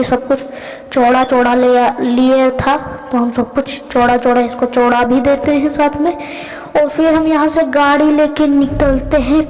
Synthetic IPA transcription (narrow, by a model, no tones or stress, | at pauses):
esɐb̚kʊt͡ʃʰ | t͡ʃoːɽat͡ʃoːɽalejaliet̪ʰat̪oɦɐmsɐb̚kʊt͡ʃʰt͡ʃoːɽat͡ʃoːɽaɪskot͡ʃoːɽabʱid̪eːt̪eɦɛ̃saːt̪ʰmẽ | ɔːɾfɪɾɦɐmjɐɦãseɡaːɽileːkenɪkəlt̪eɦɛ̃ː